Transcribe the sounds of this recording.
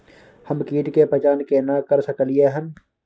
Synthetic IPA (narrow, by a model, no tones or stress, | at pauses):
həmkiːʈkepɐt͡ʃaːnkenakəɾsəklieɦən